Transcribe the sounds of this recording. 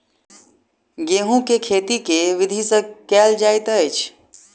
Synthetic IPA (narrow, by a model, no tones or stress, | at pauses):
ɡeːɦũkekʰeːt̪ikeʋɪd̪ʱisə̃kɛːld͡ʒaːjt̪əjt͡ʃʰ